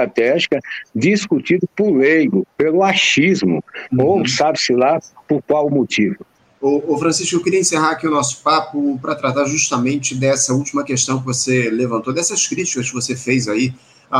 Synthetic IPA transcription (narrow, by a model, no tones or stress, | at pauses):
t̪ɾat̪ɛʒikɐd͡ʒiskut͡ʃid̪ʊpʊɾlejɡʊpelʊaʃizmʊ̰osabɪsɪlapʊɾkwawmot͡ʃivʊ | oːfɾɐ̃siʃkʊewkɪɾiɐĩseɦaɾakiʊnɔsʊ̥papʊpɾɐt̪ɾat̪aɾʒuʃt̪ɐmẽnt͡ʃɪd̪ɛsɐuwt͡ʃimɐkeʃt̪ɐ̃w̃k̬ɪvoselevɐ̃nt̪owd̪ɛsɐskɾit͡ʃi̥kɐskɪvosefejzai